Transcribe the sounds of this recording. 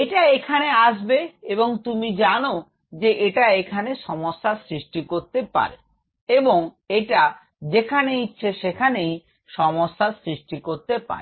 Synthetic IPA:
eʈaekʰaneaʃbeeboŋt̪umid͡ʑano | d͡ʑeʔeʈaekʰaneʃɔmosːasɾiʃʈikoɾt̪epa̰ɾe | eboŋ | eʈa | d͡ʑekʰaneitːɕʰeʃekʰanej | ʃɔmoʃːasɾiʃʈikoɾt̪epa̰ɾe

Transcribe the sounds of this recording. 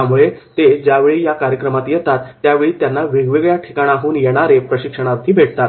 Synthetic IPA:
jamuɭet̪ed͡ʑjaʋeɭiːjakaɾjəkɾəmat̪jɛt̪at̪ːjaʋeɭiːt̪janːaʋiɡʋiɡɭjaʈʰi̥kaɽ̃aɦuːnjeɽ̃aɾepɾəɕikʂəɽ̃aɾt̪ʰiːbʱeʈ̚t̪at̪

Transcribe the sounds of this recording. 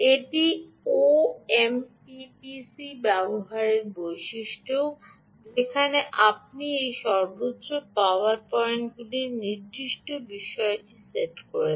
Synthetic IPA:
eʈi | oempipisibɛboɦaɾeɾbojʃiʃʈʰo | d͡ʒekʰaneʔap̚niejʃɔɾbotːʃopaoaɾpɔɾenɡuliɾniɾd̪iʃʈobiʃɔeʈiseʈkoɾe

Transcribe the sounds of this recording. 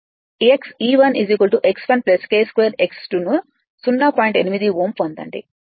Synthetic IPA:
ieksiːʋɐniziːk̬ʋɐlʈuʔeksʋɐnplɐskeːskʋeːɾeksʈunu | sunːaːpɔːjiɳʈenimid̪iʋoːmpɐnd̪ɐ̰ɳɖḭ

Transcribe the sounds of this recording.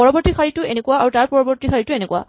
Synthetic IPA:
ɔɹɔbɔɹtikʰaɹitʊenekuwaaɹutaɹpɔɹɔbɔɹtikʰaɹitʊenekuwa̰

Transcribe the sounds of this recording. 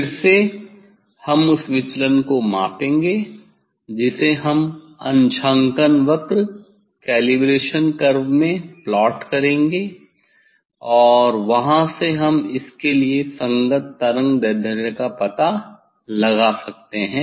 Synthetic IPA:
ɪɾse | hɐmʊsʋɪt͡ʃlənkomã̰ːpẽːŋɡe | d͡ʒɪseɦɐm | ɐ̰̃nt͡ʃʰãːŋkənʋɐkɾ | kɛːlibɾeːʃənkɐɾbmẽplɔːʈkɐɾẽːŋɡe | ɔːɾʋɐɦãseɦɐmɪskeliesɐ̃ŋɡət̪ːɐɾə̃ŋɡd̪ɐɾd̪ʱəɾjəkapɐt̪a | lɐɡasɐk̚t̪eɦɛ̃ː

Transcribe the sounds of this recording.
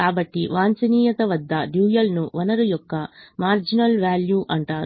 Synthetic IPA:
aːbɐʈːiʋaːnt͡ʃɐniːjɐt̪ɐʋɐd̪ːɐɖjuːjɐlnuʋɐnɐɾujɔkːɐmaːɾd͡ʒinɐlʋaːljuːʔɐɳʈaː

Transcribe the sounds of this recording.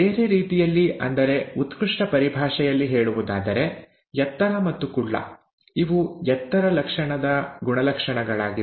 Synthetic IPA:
eːɾe̞ɾiːt̪ijɐlːiʔɐ̰nd̪ɐɾe̞ut̪kɾuʂʈɐpɐɾibʱaːʂɛjɐlːiɦe̞ːɭuʋud̪aːd̪ɐɾe̞ | jɛt̪ːɐɾɐmɐt̪ːukuɭːɐ̰ | iʋujɛt̪ːɐɾɐlɐkʂɐɳɐd̪ɐɡuɳɐlɐkʂɐɳɐɡɐɭaːɡi

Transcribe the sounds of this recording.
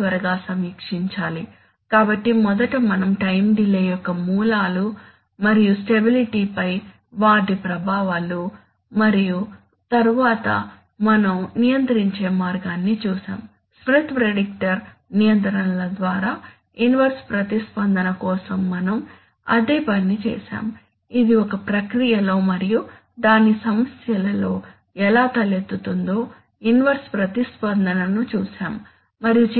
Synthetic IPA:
ʋɐɾɐɡaːsɐmiːkʂiɲt͡ʃaːli | kaːbɐʈːimɔd̪ɐʈɐmɐnɐmʈɐjmɖileːjɔkːɐmuːlaːlu | mɐɾijusʈe̞biliʈiːpɐj | ʋaːɖipɾɐbʱaːʋaːlu | mɐɾiju | t̪ɐɾuʋaːt̪ɐ̰ | mɐnɐmnijɐnt̪ɐɾiɲt͡ʃeːmaːɾɡaːnːit͡ʃuːsa̰ːm | smɾut̪pɾeɖik̚ʈɐɾ | nijɐnt̪ɐɾɐnlɐd̪ʋaːɾaː | inʋɐɾspɾɐt̪ispɐnd̪ɐnɐkɔːsɐmːɐnɐm | ɐ̰d̪eːpɐnːit͡ʃɛ̰ːsa̰ːm | id̪iɔkɐpɾɐkɾijɐlo̞ːmɐɾiju | d̪aːnisɐmɐsjɐlɐlo̞ː | ɛlaːt̪ɐljɐt̪ut̪und̪o̞ː | inʋɐɾspɾɐt̪ispɐnd̪ɐnɐnut͡ʃuːsaːmː | ɐɾiju

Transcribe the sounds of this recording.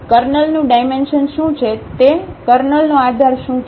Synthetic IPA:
kəɾnəlnũɖajmenʃənʃũt͡ʃʰet̪ekəɾnəlnõad̪ʱaɾʃũt͡ʃ

